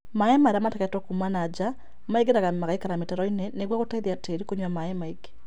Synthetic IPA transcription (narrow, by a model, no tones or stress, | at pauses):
maɛmaɾamatɛkɛtɔkumanad͡ʒa | maiɡeɾaɣamaɣaikaɾametaɾɔinɛneɡwakotaiðiateɾikoɲwamaɛmaiɡe̥